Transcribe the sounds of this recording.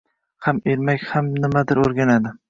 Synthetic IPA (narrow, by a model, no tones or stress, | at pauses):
hameɾmakʲhamnɪmad̪ɪɾoɾɡʲanad̪ɪ